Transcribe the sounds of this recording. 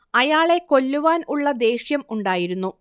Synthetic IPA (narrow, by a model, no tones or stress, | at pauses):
ɐjaːɭe̞ko̞lːuʋaːnuɭːɐd̪e̞ːɕjɐmuɳɖaːjiɾunːu